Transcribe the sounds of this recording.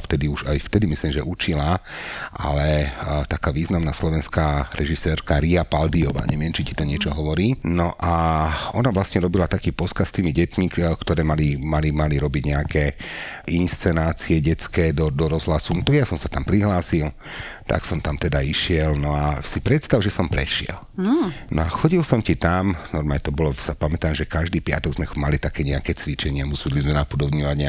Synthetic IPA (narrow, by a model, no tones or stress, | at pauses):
ft̪ɛd̪iuʒajft̪ɛd̪imisliːmʒɛʔut͡ʃilaʔa̰lɛt̪akaːʋiːznamnaslɔʋɛnskaːɾɛʒisɛːɾkaɾiapald̪iɔʋa̰ːɲɛʋɪɛmt͡ʃici̥t̪ɔɲɪɛt͡ʃɔɦɔʋɔɾiːnɔʔaɔnaʋlasɲɛɾɔbilat̪akiːpɔskast̪iːmiɟɛt̪mikt̪ɔɾɛːmalimalimaliɾɔbiɟɲɛakɛːʔinst͡sɛnaːt͡siɛɟɛt͡skɛːd̪ɔd̪ɔɾɔzɦlasunt̪aɡjasɔmsḁt̪ampɾiɦlaːsil | t̪a̰ksɔmt̪amt̪ɛd̪aiʃɪɛlnɔasipɾɛt̪st̪aʊʒɛsɔmpɾɛ̰ʃɪɛ̰lnɔaxɔɟilsɔmcit̪amnɔɾmaːlɲɛt̪ɔbɔlɔsapamɛt̪aːmʒɛkaʒd̪iːpɪa̰t̪ɔɡzmɛxmalit̪akɛːɲɛakɛːt͡sʋit͡ʃɛɲɪɛmusud̪lizmɛnapud̪ɔbɲɔʋaɟɲɛ